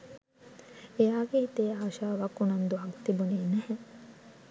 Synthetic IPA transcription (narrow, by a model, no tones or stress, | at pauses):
ejaːɡeit̪eːaːʃaːʋakːunɐnd̪uɐkt̪ibuniːnɛhɛ